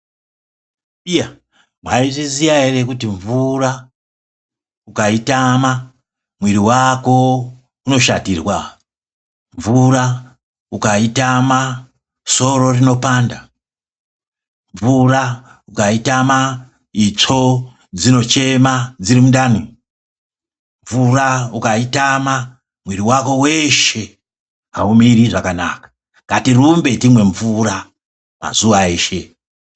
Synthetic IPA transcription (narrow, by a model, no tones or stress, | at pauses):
ija | mwaiʐizijaɦere̞kutiɱvura | ukaitama | mwiɾiwako̞ | uno̞ʃa̰tirwa | ɱvura | ukaitama | so̞ro̞rino̞paːnda | ɱvura | ukaitama | it͡ʂo̞ | d͡zino̞t͡ʃe̞mad͡zirimundanu | ɱvuraukaitama | mwiɾiwako̞we̞ʃe̞ | kaumiɾiʐakanakḁ | katirumbe̞timwe̞ɱvura | ma̰zuʋae̞ːʃe̞